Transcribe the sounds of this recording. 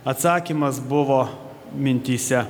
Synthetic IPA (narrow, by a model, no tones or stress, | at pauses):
ɐt̪sɑːkʲiːmɐsbʊʋoː | mʲɪnʲt̪ʲiːsʲɛ